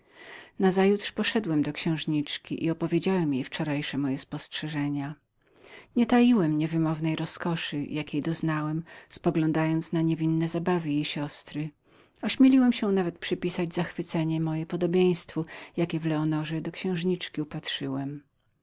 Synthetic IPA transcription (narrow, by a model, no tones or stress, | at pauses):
nazajut̪ʂpɔʂɛd̪wɛmd̪ɔkɕɛ̃w̃ʐɲit͡ʂkʲḭʔḭɔpɔvʲjed͡ʑawɛmjejft͡ʂɔɾajʂɛmɔjɛspɔstʂɛʐɛɲa | ɲɛt̪ajiwɛmɲɛvɘmɔvnɛjɾɔskɔʂɨjakʲejd̪ɔznawɛmspɔɡlɔ̃nd̪ajɔnt̪snaɲevʲinːɛzabavɘjejɕɔst̪ɾɘ | ɔɕmʲjelʲiwɛmɕɛnavɛt̪̚pʂɨpʲisad͡ʑzaxfɘt̪sɛɲɛmɔjɛpɔd̪ɔbʲjẽj̃st̪fɔjakʲɛvlɛɔnɔʐɛd̪ɔkɕɛ̃w̃ʐɲit͡ʂkʲiupatʂɘwɛm